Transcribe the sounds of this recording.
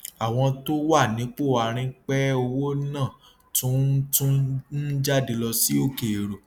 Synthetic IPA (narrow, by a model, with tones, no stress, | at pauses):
a˨w̃ɔ̃˧to˦wa˦˨nĩ˨˦k͡po˦˨a˨ɾ̃ĩ˧k͡pɛ˦o˧wo˦nã˦˨ | tũ˦tũ˦n̩˦d͡ʒa˦de˧lɔ˧si˦o˦˨ke˨ɾo˨